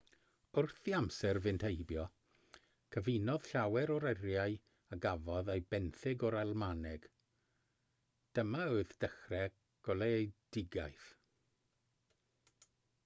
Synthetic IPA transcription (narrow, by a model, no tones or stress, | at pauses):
ʊrθiamsɛrvɨntʰejbjɔ | kʰəvɪnɔð̥ɬawɛɾɔɾɛɾjaɨ | aɡavɔðejbɛnθɪɡɔɾalˠmanɛɡ̥ | d̥əmaoɨðd̥əχrɛ | ɡ̥ɔlˠeejd̥ɪɡajθ